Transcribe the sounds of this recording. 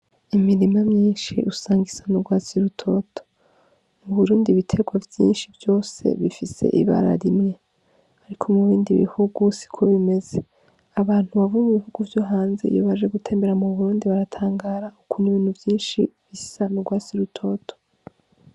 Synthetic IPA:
imiɾimamɲiːnʃḭʔusaːŋɡisanuɡwaːsiɾutʰo̞to̥ | muβuɾuːndiβitʰe̞ɡwavjḭːnʃivjo̞ːse̞̰βifise̞̰ʔḭβa̰ɾa̰ɾimɲe | aɾikʰo̞muβiːndiβḭhuɡusi̥kʰoβime̞ze | aβaːn̥huβavumuβihuɡuvjoɦaːnzḛjo̰βaʒe̞ɡutʰe̞ːmbe̞ɾamuβuɾuːndiβaɾatʰaːŋɡaːɾaukʰuniβiːn̥huvjiːnʃḭβisanuɡwaːsiɾutʰo̞tʰo̥

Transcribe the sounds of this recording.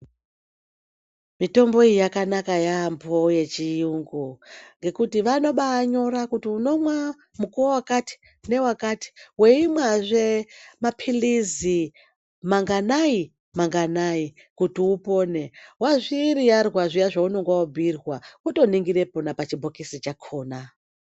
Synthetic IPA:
mito̞mbo̞ijakanakajambo̞je̞t͡ʃiuŋɡuŋɡe̞kutiʋano̞ɓaːɲo̞ɾakutiuno̞mwa | mukuowakati̥ | ne̞wakati̥we̞imwaʐemapʰilizi | maŋɡanai | maŋɡanai | kutiupo̞ne̞waʐiɾijarwaʐijaʐaunoŋɡwaobʱirwauto̞niŋɡiɾe̞ponapat͡ʃibʱokisit͡ʃakʰo̞ːna

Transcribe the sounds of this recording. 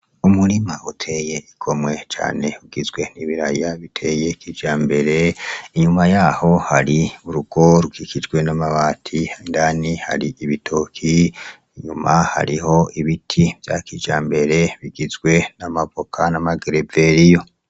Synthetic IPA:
umuɾimautʰe̞je̞ikʰo̞mwe̞t͡ʃa̰ːne̞uɡ̥izɡwe̞niβiɾajaβitʰe̞je̞kiːd͡ʒaːmbe̞ɾe̞iɲumajaho̞haɾiuɾuɡ̥o̞ɾuɡikid͡ʒɡwe̞namaβaːtʰihaindaːniha̰ɾiiβitʰoːkʰiː | ɲumaha̰ɾiho̞iβitʰivja̰kid͡ʒaːmbe̞ɾe̞βiɡizɡwe̞namapo̞kʰanamaɡeɾeve̞ɾijo̞

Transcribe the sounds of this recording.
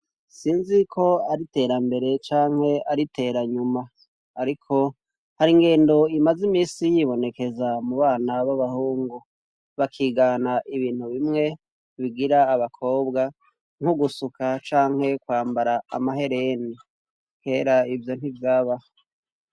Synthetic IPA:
siːnzikʰo̞aɾite̞ɾambe̞ɾe̞t͡ʃaːŋhe̞aɾite̞ːɾaɲumaː | ɾikʰo̞ | haɾiŋɡe̞ːndo̞imazimiːsijiβo̞ne̞ke̞zamuβaːnaβaβahuːŋɡu | βakʰiːɡanaʔiβiːn̥uβimŋe̞ | βiɡiɾaːβakʰo̞ːβɡa | ŋ̥huɡusukat͡ʃaːŋ̥he̞kwaːmbaɾaa̰maɦe̞ɾeni | kʰe̞ːɾaivjo̞n̥ivjaːβa

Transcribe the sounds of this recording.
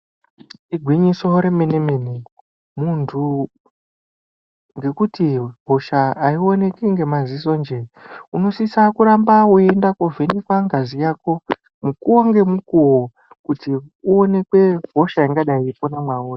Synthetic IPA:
iɡʱwiɲiso̞ɾe̞menemeni | muntʰu | ŋɡe̞kutiɦo̞ʃaːio̞ne̞kiŋɡe̞maziso̞nd͡ʒe̞uno̞sisakuɾambauendakovʱenekwaŋɡazijaːko̞ | mukuwaŋɡe̞mukuwo | kutiuone̞kwe̞ɦoʃaiŋɡaɗaiponamwauːri

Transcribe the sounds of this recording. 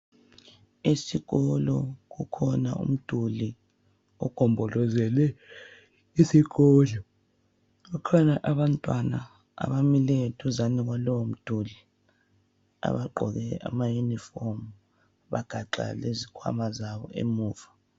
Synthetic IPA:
isiɣɔlɔkukʰɔnaṵm̩d̥ʱuli | ɔɡ̥ʱɔmbʱɔlɔzɛlɛ | isiɣɔːlɔ | kukʰanaʔaɓantʼwana | a̰βamilɛtʰuzaniɣ̬walɔwom̩d̥ʱuli | a̰βaǃʱɔɣɛa̰majunifɔm | βaɡ̥ʱaǃa̰lezikʰwa̰mazaɓɔ̰ʔḛmuːva

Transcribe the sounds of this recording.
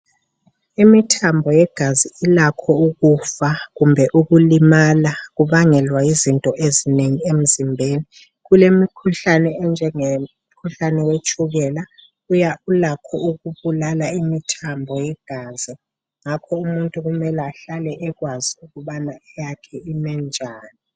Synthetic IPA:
imitʰambʱɔjɛɡ̥ʱaziilakʰɔuk̬ufak̬umbʱɛʔuk̬ulimalak̬uɓaŋɛlwaizintʼɔʔezineŋiem̩zimbʱeːni | k̬ulemikʰuɬanɛɛnd͡ʒʱɛŋe | kʰuɬanɛwet͡ʃʰʼuɣ̬ɛla | ujaulakʰɔuk̬uɓulalaimitʰambʱɔjɛɡ̥ʱaːzi | ŋakʰɔumuntʼuk̬umɛlɛaɬalɛʔɛk̬waziukuɓanaɛjakʰɛinɛnd͡ʒʱaːni

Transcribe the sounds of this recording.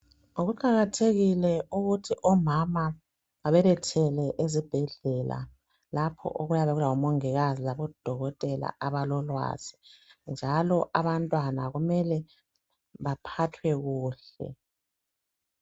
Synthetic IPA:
oɣuǃaɣatʰeɣilɛuɣutʰiʔɔmama | aβɛlɛtʰɛlɛʔezib̥ʱɛɮɛla̰ | lapʰɔ̰ʔoɣujaβeɣulawɔmoŋiɣazizaβɔd̥ʱɔɣɔtʼɛla̰ʔaβalɔlwa̰z̥ind͡ʒʱalɔʔaβantʼwanaɣumɛlɛ | βapʰatʰwɛɣuːɬɛ̰

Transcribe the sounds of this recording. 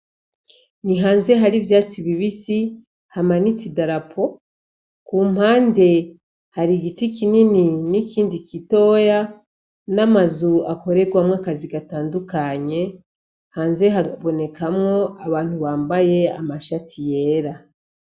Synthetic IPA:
niɦaːnze̞ɦaɾivjaːt͡siβiβisi | hamanit͡sidaɾapʰo̞ | kuːm̥haːnde̞ | haɾiɡitikinininikiːndikito̞ːja | namazuako̞ɾe̞ɡwamŋakaziɡataːndukaɲe̞ | haːnze̞ɦaβo̞ne̞kamŋo̞aβaːn̥huβaːmbaje̞a̰maʃatʰije̞ːɾa

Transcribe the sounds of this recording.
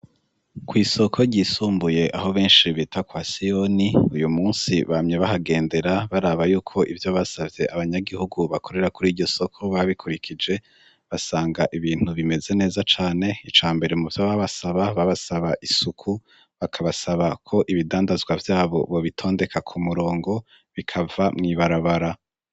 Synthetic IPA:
kwiːso̞kʰo̞ɾɟisuːmbuje̞ʔaɦo̞βe̞ːnʃiβitakwasio̞niujumuːnsiβamɲeβaɦaɡe̞ːnde̞ɾaβaɾaːβajuːkʰo̞ʔivjo̞βasavje̞ʔaβaɲaɡihuɡuβakʰo̞ɾe̞ɾakuɾiːɾɟo̞so̞kʰo̞βaβikʰuɾikʰid͡ʒe̞ | βasaːŋɡaʔiβiːn̥uβime̞ze̞ne̞ːzat͡ʃaːne̞it͡ʃaːmbe̞ɾe̞muvjoβaβasaβaβaβasaβaʔisukʰu | βakʰaβasaβakʰo̞ʔiβidaːndazɡwavjaːβo̞̰βo̞βitʰo̞ːnde̞kʰakʰumuɾo̞ːŋɡo̞ | βikʰavamŋiːβaɾaβaɾa

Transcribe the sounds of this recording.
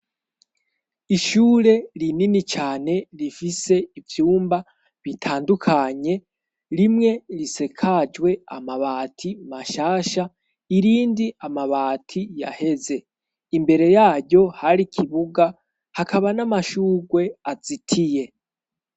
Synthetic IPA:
iʃuːɾe̞ɾininit͡ʃaːne̞ɾifise̞ivjuːmba | βitʰaːndukʰaɲe̞ | ɾimŋe̞ɾise̞kʰad͡ʒwe̞a̰maβaːtʰimaʃaːʃa | iɾiːndiamaβaːtʰija̰he̞ze̞ | imbe̞ɾe̞jaːɟo̞haɾikʰiβuɡa | hakʰaβanamaʃuːɡwe̞az̥itʰije̞

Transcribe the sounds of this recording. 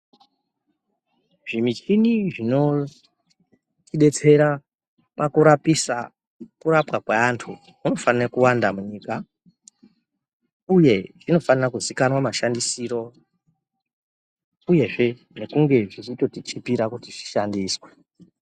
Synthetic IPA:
ʐ̥imit͡ʃiniʐino̞ | t͡ʃiɗe̞t͡se̞ɾa | pakuɾapisa | kuɾapwakweantʰu | uno̞fanirakuwandamuɲiːka | uje̞ʐino̞fanirakuzikanwamaʃandisiːɾo̞ | uje̞ʐe̞ | ne̞kuŋɡe̞ʐit͡ʃito̞tit͡ʃipiɾakutiʐi̥ʃandiːswe̥

